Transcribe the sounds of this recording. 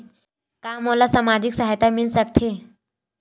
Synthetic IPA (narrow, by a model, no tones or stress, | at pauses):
kaːmoːlasamaːd͡ʒiksaɦajt̪amilsək̚t̪ʰe